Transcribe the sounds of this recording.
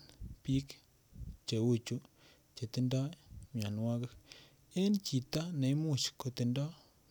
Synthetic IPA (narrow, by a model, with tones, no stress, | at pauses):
pi˦k | t͡ʃe˨wu˦t͡ʃu˨˦ | t͡ʃe˨t̪ɪ˦nda˦mja˨n˦wa˦kɪ˦k | e˦nt͡ʃi˨t̪a˦na˨i˦mu˦˨t͡ʃko˨t̪i˨ndɔ˦